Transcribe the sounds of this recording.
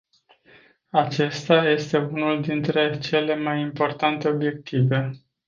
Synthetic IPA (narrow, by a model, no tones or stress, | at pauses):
at͡ʃe̞st̪aje̞st̪e̞unuld̪int̪ɾe̞t͡ʃe̞le̞majimpo̞rt̪ant̪e̞o̞bje̞k̚t̪ive̞